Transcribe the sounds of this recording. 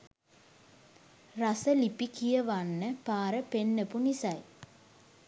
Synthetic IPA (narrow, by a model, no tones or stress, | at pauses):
rasəlipikijəʋanːəpaːɾəpenːəpunisaj